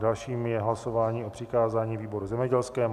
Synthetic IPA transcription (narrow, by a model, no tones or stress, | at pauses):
dalʃiːmjɛɦlasovaːɲiːʔo̞pr̝̥ɪkaːzaːɲiːviːbo̞ɾuzɛmɲɛɟɛlskɛː